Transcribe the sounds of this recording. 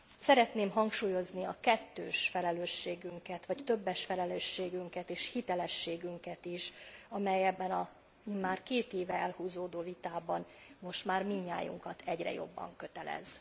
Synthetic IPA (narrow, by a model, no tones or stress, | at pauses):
sɛɾɛt̪neːmɦɒŋkʃuːjo̞zniɒkɛt̪ːøːʃfɛlɛløːʃːeːɡyŋkɛt̪ʋɒct̪ø̞bːɛʃfɛlɛløːʃːeːɡyŋkɛt̪eːʃhit̪ɛlɛʃːeːɡyŋkɛt̪iʃɒmɛjɛbːɛnɒ | iːmmaːrkeːt̪eːvɛɛlhuːzoːd̪oːvit̪aːbɒnmo̞ʃt̪maːrmiɲːa̰ːjṵŋkɒt̪ʰɛɟrɛ̰jo̞̰bːɒ̰ŋkø̞t̪ɛlɛ̰z̥